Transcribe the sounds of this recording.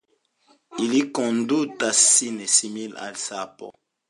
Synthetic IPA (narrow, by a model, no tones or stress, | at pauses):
ilikɔ̃ndutasinesimila̰lsapɔ̰